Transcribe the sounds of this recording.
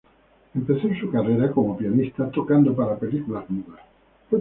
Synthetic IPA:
empeθonsukareɾakomopijanist̪at̪okand̪opaɾapelikulazmuðas | pe

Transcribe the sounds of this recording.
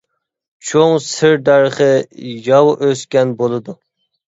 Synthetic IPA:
t͡ʃʰoŋsɪɾd̪æɾχəjɑwʔøskʲɛnbolˠɨd̪u

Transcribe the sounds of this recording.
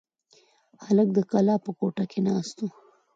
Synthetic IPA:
halək̚d̪əkalɑːpəkoʈakenɑːst̪u

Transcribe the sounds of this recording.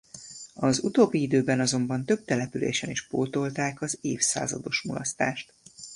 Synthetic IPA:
ɒzut̪oːbːiid̪øːbɛnɒzo̞mbɒnt̪ø̞b̚t̪ɛlɛpylḛːʃɛniʃpoːt̪o̞lt̪aːkɒzeːfsa̰ːzɒ̰d̪o̞ʃmulɒst̪a̰ːʃt̪

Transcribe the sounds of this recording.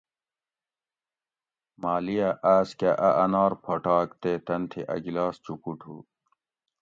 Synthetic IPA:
maːlijaʔaːskaʔɐʔɐnaːɾpʰoʈaːkt̪eːt̪ɐnt̪ʰiʔɐ̰ɡilaːst͡ɕukuʈʰṵː

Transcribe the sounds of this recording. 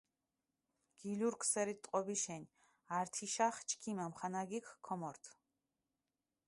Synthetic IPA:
ɡ̥iluɾkʰsɛɾit̪ʼqʼɔbiʃɛn | aɾt̪ʰiʃaχt͡ʃʰkʰimamχanaɡikʰkʰːɔmɔɾt̪ʰ

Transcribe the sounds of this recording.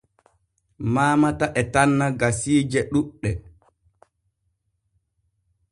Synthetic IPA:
maːmataʔɛtanːaɡasiːd͡ʒɛɗuɗːɛ

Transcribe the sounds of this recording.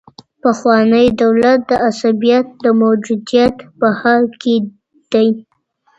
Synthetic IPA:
paxwɑnəjd̪awlat̪̚d̪əʔasabijat̪̚d̪əmowd͡ʒud̪ijat̪bahaɾke | d̪̥aj

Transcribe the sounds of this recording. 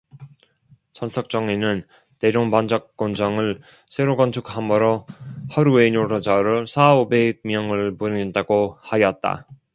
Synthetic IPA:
t͡ɕʌnsʰʌk̚t͡ɕ͈ʌŋinɯn | teɾoŋpand͡ʑʌk̚k͈ːond͡ʑʌŋɯɭ | sʰe̞ɾoɡʌnt͡ɕʰukhamʌɾohʌɾuenoɾʌd͡ʑaɾɯɭsʰaobeɡ̚mjʌŋɯɭpunindaɡohajʌt̚t͈a̰

